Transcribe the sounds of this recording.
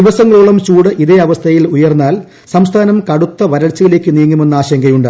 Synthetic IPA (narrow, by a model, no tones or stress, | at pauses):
iʋɐsɐŋːɐɭuɭɐmt͡ɕuːɽɨʔiðeɐʋɐst̪ʰɐjilujɐrnːaːl | sɐmst̪ʰaːnɐmkɐɽut̪ːɐʋɐɾɐɭt͡ɕːɐjile̞ːkːɨniːŋːume̞nːɨaːɕɐŋɡɐjuɳɖɨ